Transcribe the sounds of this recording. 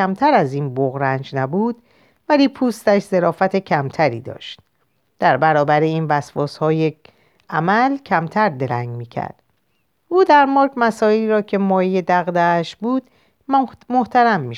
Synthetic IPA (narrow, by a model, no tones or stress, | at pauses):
æmt̪ʰæɾæziːnboɣɾænd͡ʒnæbuːd̪̥ | væliːpʰuːst̪æʃze̞ɾɒːfæt̪ʰe̞cʰæmt̪ʰæɾḭːd̪ɒ̰ːʃt̪̚ | d̪̥æɾbæɾɒːbæɾeiːnvæsfɒːshɒːje | ʔæmælcʰæmt̪ʰæɾd̪e̞ɾæ̰ŋɟmiːcʰæ̰ɾd̪̥ | uːd̪æɾmɒːɾkmæsɒːeliɾɒːcʰe̞mɒːjije̞d̪æɣd̪æːʃbuːd̪̥ | moht̪ʰæɾæmːiː